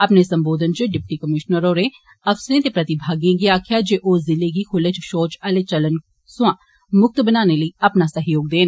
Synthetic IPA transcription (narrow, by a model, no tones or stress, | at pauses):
əpneːsəmboːd̪ənt͡ʃəɖɪp̚ʈiːkəmɪʃnəɾoːɾeː | əfsəɾẽːt̪eːpɾət̪ɪbʱaːɡẽːɡiaːkʰɪjaːd͡ʒeːʔoːzɪleɡiːkʰʊlet͡ʃʃoːt͡ʃəleːt͡ʃələn | sʊãː | mʊk̚t̪bənaːneːləiːəpnaːsəɦjoːɡ̚d̪eːn